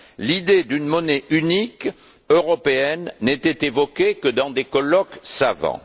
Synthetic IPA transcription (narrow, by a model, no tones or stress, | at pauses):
lid̪ed̪ynmɔneʔynik | øʁɔpeɛnːɛt̪ɛt̪evɔkekəd̪ɑ̃d̪ekɔlɔksavɑ̰̃